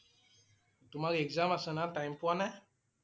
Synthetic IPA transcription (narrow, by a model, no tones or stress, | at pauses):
tumaɾiɛɡzãmasə̃nãtãjmpwanɛ